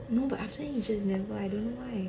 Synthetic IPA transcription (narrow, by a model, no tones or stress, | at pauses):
noʊbataftəjid͡ʒʌsnɛvəajdõnːowaɪ